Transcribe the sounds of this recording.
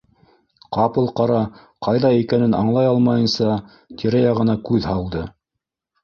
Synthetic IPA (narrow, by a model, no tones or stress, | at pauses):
qɑpɤlˠqɑɾɑ | qɑjðɑikænɘnɑ̰ɴlˠɑjɑlˠmɑjɤ̆nsɑ | t̪ʰʲiɾæjɑʁɤ̆nɑkʉðhɑlˠd̪ɤ